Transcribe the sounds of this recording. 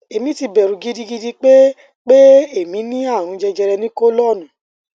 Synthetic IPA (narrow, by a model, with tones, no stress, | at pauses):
e˨mĩ˦ti˧bɛ˨ɾũ˨ɡi˨˦di˦ɡi˦di˦k͡pe˦ | k͡pe˦e˦˨mĩ˨˦nĩ˦ã˦˨ũ˨˧d͡ʒɛ˧d͡ʒɛ˧ɾɛ˧nĩ˦ko˦lɔ˦˨nũ˨